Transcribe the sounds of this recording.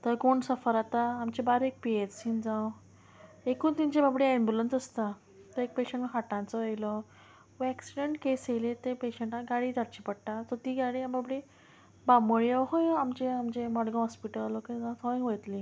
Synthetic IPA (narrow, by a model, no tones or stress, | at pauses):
t̪əɾkoɳsəfəɾat̪aːmt͡ɕebaɾek̚pietsĩnd͡zãw | ekuːnt̪ĩɲt͡ɕebabɽiɛmbulənsəst̪a | t̪əɾek̚peɕẽɳʈkaʈãnt͡sɔɦəjlɔ | ʋɛksiɖeɳʈkeselet̪epeɕeɳʈaɡaɽiːd͡zaʈt͡ɕipəɽʈat̪əɾt̪iːɡaɽiababɽi | baməɭiaɦõjamt͡ɕeamd͡ʑemɔɽɡə̃ɦɔspiʈəlokeɡat̪ʰɔĩŋɡʋəjt̪li